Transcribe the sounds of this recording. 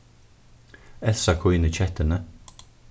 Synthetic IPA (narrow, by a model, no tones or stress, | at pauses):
ɛθsakʰʊjnət͡ɕʰɛt̪ənə